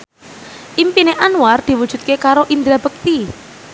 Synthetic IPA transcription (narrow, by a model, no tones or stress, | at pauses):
ʔimpineʔanward̪̥i̤wud̥ʒ̥ṳt̪̚kekaɾoʔind̪ɾab̥ək̚t̪i